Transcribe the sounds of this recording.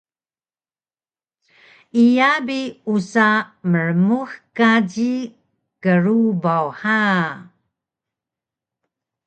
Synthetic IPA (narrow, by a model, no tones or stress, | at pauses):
ijabiusaməɻəmuxkaɟi | kəɾubawħa